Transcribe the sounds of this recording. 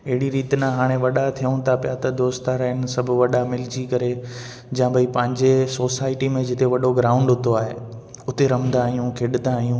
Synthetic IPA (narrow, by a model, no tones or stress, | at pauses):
ɪɦɪɽiɾiːt̪nãɦaːɽ̃eʋɐɗat̪ʰijə̃t̪ʰapjat̪ɐd̪oːst̪aɾɐɦɪn̆sɐbʱʊʋɐɗamɪld͡ʑikɐɾe | d͡ʑãbʱɐipɐ̃ɦɪ̃ɲd͡ʑesoːsaːɪʈimẽd͡ʑɪt̪eʋɐɗoɡɾãːʊ̃ɳɖɦʊt̪ʰoaːɦe | ʊt̪eɾɐmnd̪ãːɦijũkʰɪɗnd̪aɦijũː